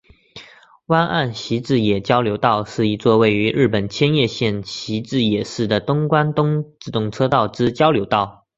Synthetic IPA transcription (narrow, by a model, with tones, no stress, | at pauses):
wa˥nʔa˥˩nɕi˧˥t͡sɻ̩˥˩jɛ˨˩t͡ɕjɑ˥ʊljo˧˥ʊt̪ɑ˥˧ʊʂɻ̩˥˩i˧˥t͡swɔ˥˧we˥˩ɪy˧˥ɻɻ̩˥˩pə˨˩nt͡ɕʰjɛ˥njɛ˥˧ɕjɛ˥˩nɕi˧˥t͡sɻ̩˥˩jɛ˨˩ʂɻ̩˥˩d̪ə˩t̪ʊ˥ŋkwa˥nt̪ʊ˥ŋʈ͡ʂɻ̩˥˨˩t̪ʊ˥˩ŋʈ͡ʂʰɤ˥t̪ɑ˥˩ʊʈ͡ʂɻ̩˥t͡ɕjɑ˥ʊljo˧˥ʊt̪ɑ˥˩ʊ